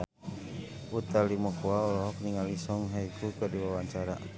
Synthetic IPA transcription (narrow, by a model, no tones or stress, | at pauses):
ut̪alimɔkuaɔlɔɦɔk̚niŋalisɔŋɦaikukadiwawaɲt͡ʃaɾa